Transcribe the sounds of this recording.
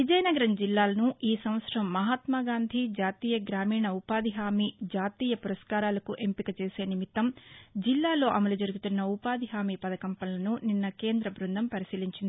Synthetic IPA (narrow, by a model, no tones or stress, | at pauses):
ʋid͡ʒɐjɐnɐɡɐɾɐmd͡ʒilːaːlɐnuʔiːsɐmʋɐt̪sɾɐmːɐɦaːt̪maːɡaːnd̪ʱid͡ʒaːt̪iːjɐɡɾaːmiːɳɐupaːd̪ʱiɦaːmiːd͡ʒaːt̪iːjɐpuɾɐskaːɾaːlɐkuʔe̞mpikɐt͡ʃe̞ːse̞ːnimit̪ːɐmd͡ʒilːaːlo̞ːʔɐmɐlud͡ʒɐɾuɡut̪unːɐupaːd̪ʱiɦaːmiːpɐd̪ɐkɐmpɐnlɐnuninːɐke̞ːnd̪ɾɐbɾund̪ʱɐmpɐɾisiːliɲt͡ʃind̪ii